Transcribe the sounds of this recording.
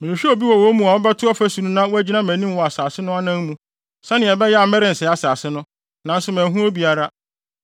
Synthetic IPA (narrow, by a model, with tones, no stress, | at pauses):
mɪ̃˨nɪ̃˨ɕᶣi˦o˨bi˦wɔ˨wo˦mũ˨a˨ɔ˦bɛ˦tʰʊ˦ɔ˦fæ˦sũ˨nũ˦nã˦wo˦æ˦d͡ʑi˦nã˦mæ̃˨nĩ˦m˦wɔ˨a˨saː˨sɪ˦nʊ̃˦a˦nã˦n˦mũ˦ | sɛ̃˦nɪ̃˨ɛ˨bɛ˦jɛ˦a˨mɛ˦ɾɪ̃˨n̩˨sɛ˨˦a˨saː˨sɪ˦nʊ̃˦ | nã˨n̩˦sʊ˨mæ̃ː˨ɦũ˦o˦bi˨a˨ɾa˦